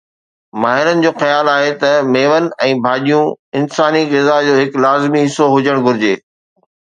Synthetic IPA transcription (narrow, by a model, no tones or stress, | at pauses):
maːɦɪɾənɪ̆d͡ʑoːxɐjaːlaːɦet̪ɐmeːʋənɪ̆ɛ̃ːbʱaːɗijũɪnsaːniɣɪzad͡ʑoːɦɪklaːzmiɦɪsːoɦʊd͡ʑəɽ̃ɡʱʊɾɪd͡ʑeː